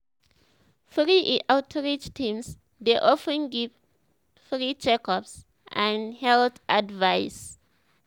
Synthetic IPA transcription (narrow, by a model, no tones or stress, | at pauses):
fɹiʔʔawtʰɹid͡ʒtʰĩms | deʔɔfɛ̃nɡiv | fɹit͡ʃɛkɔps | ãnhɛltadvajs